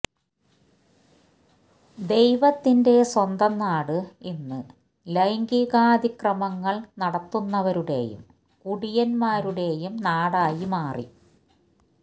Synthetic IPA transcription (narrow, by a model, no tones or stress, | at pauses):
d̪e̞jʋɐt̪ːinde̞swɐnd̪ɐmnaːɽɨinːɨ | lɐjŋɡiɣaːd̪ikrɐmɐŋːɐɭnɐɽɐt̪ːunːɐʋɐɾuɽe̞̰jṵm | kuɽijɐnmaːɾuɽe̞jumnaːɽaːjimaːrḭ